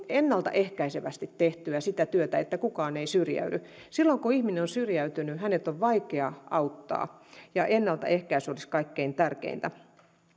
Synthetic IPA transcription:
enːɑlt̪ɑ̰ʔehkæiseʋæst̪it̪teht̪yæsit̪æt̪yøt̪æet̪ːækukɑːneisyrjæ̰ydy | silːoŋkuihminenonsyrjæyt̪ynyhænet̪oʋʋɑikeɑɑut̪ːɑ̰ːjɑʔenːɑlt̪ɑ̰ʔehkæisoliskɑikːeint̪ærkḛint̪æ

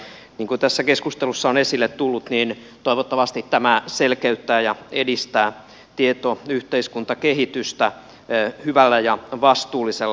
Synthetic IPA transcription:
niːŋkut̪æsːækeskust̪elusːɑonesilːet̪t̪ulːut̪niːn | t̪oiʋot̪ːɑʋɑst̪it̪t̪æmæselkeyt̪ːæːjɑedist̪æː | t̪iet̪oyht̪eiskunt̪ɑkeɦit̪yst̪æ | hyʋælːæjɑʋɑst̪uːlːiselː

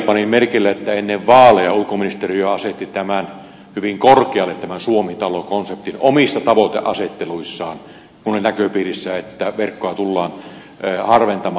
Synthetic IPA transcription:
pɑnimmerkilːæet̪ːæenːeʋʋɑːlejɑulukominist̪erioɑset̪ːit̪æmæn | hyʋiŋkorkeɑlːˑet̪t̪æmænsuomit̪ɑlokonsept̪inomisːɑt̪ɑʋot̪ḛʔɑset̪ːeluisːɑːn | kunolinækøpiːrisːæet̪ːæʋerkːoɑt̪ulːɑːnː | hɑrʋent̪ɑmɑ

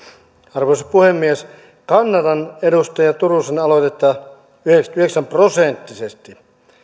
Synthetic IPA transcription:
ɑrʋoisɑ̥puhemːies | kɑnːɑdɑnedust̪ɑjɑt̪urusenɑlot̪et̪ːɑ | yheksyheksæmprosent̪ːisest̪i

